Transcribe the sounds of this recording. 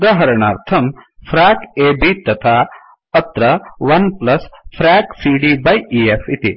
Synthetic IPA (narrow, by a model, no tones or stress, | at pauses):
d̪ɐɦɐɾɐɳaːɾt̪ʰɐmpʰɾaːkeːbit̪ɐt̪ʰaː | ɐt̪ɾɐʋɐnplɐspʰɾaːksiːɖiːbɐjiːefit̪i